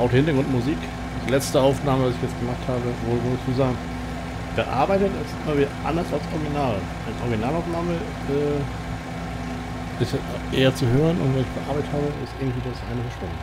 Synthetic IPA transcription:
ʔaʊxdhɪntɐɡʁʊntmuziːk | d̥ilɛt͡stəaʊfnaːməvasɪçjɛt͡sɡ̥əmaχthaːbəvoːvʊɪçsuːzaːɡŋ̩ | b̥əʔa̰ɐbaɪtətɪstɪmɐviːdɐʔa̰ndɐsalsʔɔɐɡinaːl | ʔanʔɔ̰ɐɡinaːlaʊfnaːmə | ɛː | ʔɪst | ʔeːɐt͡suɦøːʁ̞ənʊ̰ntvɛnɪçb̥əʔa̰ɐbaɪtətʰhaːbəʔɪ̰stɪɐɡŋ̩tv̥iːdasʔaɪnəfɛɐʃʊmən

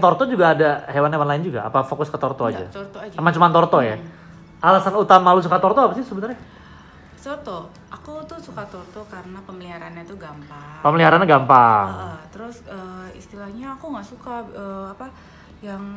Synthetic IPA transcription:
t̪ɔrt̪ɔd͡ʒuɡaːdahewanɦewanlaɪnd͡ʒuɡaa̰pafokʊskət̪ɔrt̪ɔad͡ʒa̰t̪əmant͡ʃumant̪ɔrt̪ɔja̰ | alasanut̪amalus̬ukat̪ɔrt̪ɔapasɪhsəbənərɲa | t͡ʃort̪ɔ | ʔakut̪usukat̪ort̪ɔkaɾənapəmliɦaɾanɲat̪uɡampapəməliɦaɾanɲaɡampaŋt̪əɾʊsəḭst̪ilahɲaːkuŋɡaʔsukaəapa | jaŋ

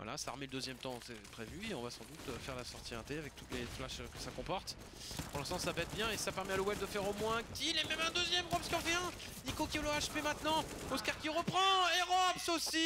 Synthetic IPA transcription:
vwa̰la̰sa̰ːʁmeləd̪øzjɛmt̪ɑ̃sɛpχevyeɔ̃vasɑ̰̃d̪ut̪øfɛʁlasɔʁt̪iɛ̃t̪eavɛk̚t̪ut̪leflaʃkə̥sakɔ̃pɔʁt̪ | puʁlɛ̃st̪ɑ̃sabɛt̪̚bjɛ̃esapɛʁmɛaləwɛb̚d̪əfɛʁomwɛ̃kʲilɛmɛmɛ̃d̪øzjɛmʁɔpskʲiɔ̃ʁvjɛ̃ | nikokʲioloaʃpemɛ̃t̪nɑ̃ | oskaʁkʲiʁəpχɑ̃eʁɔbsosi

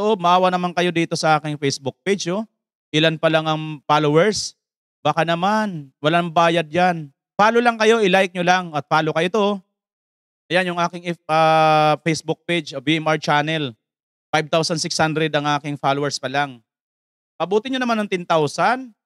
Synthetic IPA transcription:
loʔob̚mɐʔaːwɐnɐmanŋkɐjo̞d̪iːt̪o̞sɐʔaːkɪŋfejsbʊk̚ped͡ʒo | ʔɪlanpɐlaŋɐŋfaːlowɛɹs | bakanɐmanwɐlambaːjɐd̪̚jan | faːlolɐŋkɐjo̞ʔɪlajk̚ɲolaŋɐt̪̚faːlokɐjot̪o | ʔɐjanjʊŋʔaːkɪŋɪʔɐfejsbʊk̚pejd͡ʒʔoviʔɛmʔaɹt͡ʃanɛl | fajb̚t̪awsɐnsɪkshand̪ɾɛd̪ɐŋʔaːkɪŋfalowɛɹspɐlaŋ | pɐbuːt̪ɪɲonɐmanːɐŋt̪ɛnt̪awsan

